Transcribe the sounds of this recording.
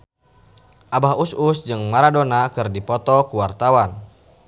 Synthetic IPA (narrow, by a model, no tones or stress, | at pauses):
ʔabaɦusʊsd͡ʒɨŋmaɾadonakɨrdipɔt̪ɔkuwart̪awan